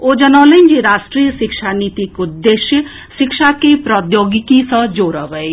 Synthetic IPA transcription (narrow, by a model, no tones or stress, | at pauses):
oːd͡ʒɐnaːləind͡ʒiɾaːʃʈɾiːjəʃɪkʃaniːt̪ikʊd̪ːeːʃjə | ʃɪkʃakepɾɔd̪joːɡikisə̃d͡ʒoːɾəʋəe